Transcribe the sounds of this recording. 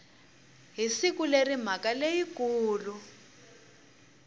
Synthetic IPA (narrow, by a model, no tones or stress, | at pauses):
ɦisikulerim̤akalejikuːlu